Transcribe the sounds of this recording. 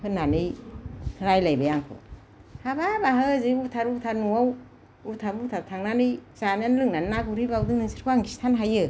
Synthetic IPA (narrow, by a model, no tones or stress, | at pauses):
hʰɯnanɯjsʰɯɾajlajbajaŋkʰɯ̰ | hababaɦɯzɯutʰaɾutʰaɾnuaw | utʰaɾutʰaɾtʰaŋnanɯjzananlɯŋnannaɡuɾibawdɯŋnɯsiɾkʰuaŋɡistʰanɦajɯ